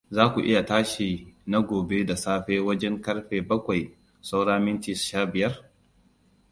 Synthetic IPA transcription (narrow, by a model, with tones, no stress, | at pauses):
zaː˦kʷu˨ʔɪ˦ja˨taː˦ʃi˨na˦ɡʷoː˨be˦da˨saː˦ɸeː˦wɐ˦d͡ʒɛ˦ŋkɐ˦ɽɸeː˨bɐ˦kʷa˨j | sa˦wɽaː˦mɪ˦ntɪ˨sʃaː˦bɪ˨jɐ˦r